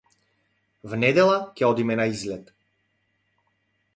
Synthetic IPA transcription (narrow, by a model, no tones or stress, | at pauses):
vnɛd̪ɛlˠacʲɛɔd̪imɛnaizlɛt̪